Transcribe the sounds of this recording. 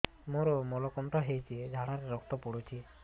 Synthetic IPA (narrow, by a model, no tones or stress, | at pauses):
moɾɔmɔlɔkɔɳʈɔɦejt͡ʃʰied͡ʒʱaɽaɾeɾɔk̚t̪ɔpoɽut͡ʃʰi